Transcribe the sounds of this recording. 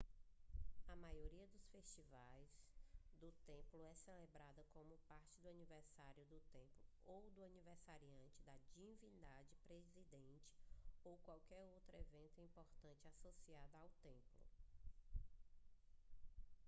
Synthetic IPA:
ɐmajoɾiɐd̪ʊsfeʃt͡ʃivajzd̪ʊt̪ẽplʊɛselebɾad̪ɐkõmʊpaɾt͡ʃɪd̪ʊɐnivɛɾsaɾjʊd̪ʊt̪ẽmplʊ | owd̪ʊɐnivɛɾsaɾiɐ̃nt͡ʃɪd̪ɐd͡ʒivĩnd̪ad͡ʒɪpɾezid̪ẽnt͡ʃɪ̥owkwawkɛɾowt̪ɾʊevẽnt̪ʊĩpoɾt̪ɐ̃nt͡ʃɪasosiad̪ɐawt̪ẽmplʊ̰

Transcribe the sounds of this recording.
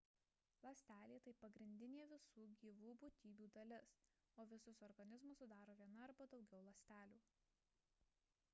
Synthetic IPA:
lˠɐsʲt̪ʲæːlʲiːt̪ɐɪpɐɡɾʲɪnʲd̪ʲɪnʲeːʋʲɪsuːɡʲiːʋuːbʊt̪ʲiːbʲuːd̪ɐlʲɪs | oːʋʲɪsʊsɔɾɡɐnʲɪzmʊssʊd̪ɑːɾoːʋʲiɛnɐːɾbɐd̪ɒʊɡʲɛʊlˠɐsʲt̪ʲæːlʲuː

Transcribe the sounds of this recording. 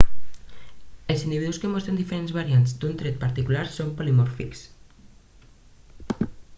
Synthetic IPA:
elsind̪iβiðuskemɔst̪ɾend̪ifeɾenzβaɾianzd̪unt̪ɾet̪̚paɾt̪ikulaɾsompolimɔɾfiks

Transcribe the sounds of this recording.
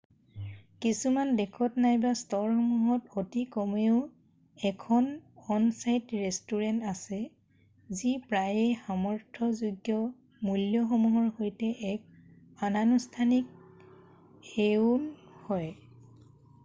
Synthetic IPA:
kisumandɛkʰɔtnajbastɔɹxɔmuɦɔtotikɔmeʊ | ɛkʰɔnɔnsajtɹɛstuɹɛntasɛ | zipɹajexamɔɹtʰɔzuɡjɔ | muljɔxomuɦɔɹhojtɛʔɛk̚ | ananustʰanik̚ | eunhɔj

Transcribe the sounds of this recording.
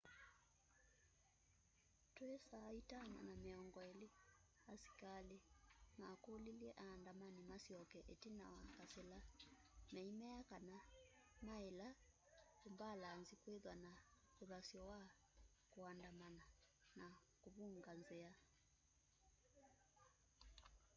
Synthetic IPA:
twesaːitana̰nameɔŋɡɔeli | asi̥kalemakoliliɛʔaːndamanimasiɔkɛʔetinawakasela | mɛimɛakana | maela | kumbalanzikweðwana | uɾasiɔwa | kuandamana | na | kuβuŋɡanzea

